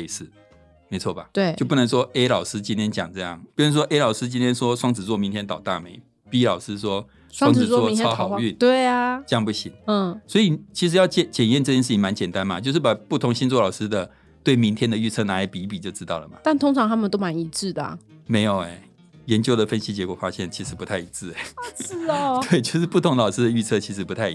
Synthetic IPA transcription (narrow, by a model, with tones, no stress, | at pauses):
ʂɻ̩˥˩ | me˧˥t͡sʰwɔ̰˥˩ba̰˩t͡ɕt̪we˥˩o˥˧ʊp̬u˥˩nə˧˥ŋʂwɔ˥ʔe˥ɪlɑ˨˩ʊsɹ̩˥t͡ɕi˥nt̪ʰjɛ˥nt͡ɕjɑ˨˩ŋʈ͡ʂɤ˥˧jɑ̰˥˩ŋpu˥˩ə˧˥ʂ̬wɔ˥ʔe˥lɑ˨˩ʊsɹ̩˥t͡ɕi˥nt̪ʰjɛ˥nʂwɔ˥ʂwɑ˥ŋt͡sɹ̩˨˩t͡swɔ˥˩mi˧˥nt̪ʰɛ˥nt̪ɑ˨˩ʊt̪a̰˥˧me˧˩ɪ | pi˧˥lɑ˨˩ʊʂɹ̩˥ʂwɔ˥ | swɑ˥ŋt͡s̩˨˩˨wɔ˥˧jʊxɑ˨˩ʊ˥y˥˨nt̪we˥˩ɪa˨˩ʈ͡ʂə˥jɑ˥˧ŋpu˥˩ɕi˨˥˦ŋ̩˥˩swɔ˧˥i˨˩t͡ɕʰi˧˥ʂɻ̩˧˥jɑ˥˩ʊt͡ɕɛ˥˩t͡ɕjɛ˨˩njɛ˥˧nʈ͡ʂɤ˥˩t͡ɕjɛ˥˧ʂ̬̩ʰ˥˩i˧˥ma˧˥nt͡ɕjɛ˨˩nt̪a˥˦nma˨t͡ɕjo˥˧ʊʂ̬ɻ̩˥˩pa˨˩pu˥˩t̪ʰʊ˧˥ŋɕi˥nt͡swɔ˥˩lɑ˨˩ʊʂɻ̩˥d̪ə˨ | t̪we˥˩ɪmi˧˥ŋt̪ʰjɛ˥nd̪ə˨y˥˧t͡sʰɤ˥˩na˧˥˧pi˧˥pi˨˩t͡ɕjo˥˩ʊʈ͡ʂɻ̩˥t̪ɑ˥˩ʊlə˩mɐ̰˩t̪a˥˩nt̪ʰʊ˥ŋʈ͡ʂʰɑ˧˥ŋt̪ʰa˥mə˨nt̪o˥ʊma˧˥ni˧˥ʈ͡ʂɻ̩˥˩d̪ə̰˩˨˩me˧˥ɪjo˨˩ʊe˧˦ | jɛ˧˦nt͡ɕjo˥˧ʊd̪ə˨fə˥nɕi˥t͡ɕjɛ˧˥kwɔ˨˩fa˦˥ɕjɛ˥˩nt͡ɕʰi˧˥ʂɻ̩˧˥pu˧˥t̪ʰa˥˩i˧˥t͡sɹ̩˥˩e˨˩˥ | t̪we˥˩ɪt͡ɕjo˥˧ʊʂɻ̩˥˩pu˥˩t̪ʰʊ˧˥ŋlɑ˨˩ʊʂɻ̩˥d̪ə˨y˥˧t͡sʰɤ˥˧t͡ɕʰi˧˥ʂ̬ɻ̩˧˥pu˧˥t̪ʰa˥˩ɪ˧